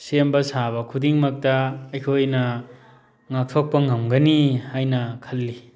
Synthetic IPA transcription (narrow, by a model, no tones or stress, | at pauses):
sembɐsaβɐkʰudiŋmɐk̚tɐːjkʰojnɐ | ŋak̚tʰok̚pɐŋɐmɡɐnihajnɐkʰɐlːi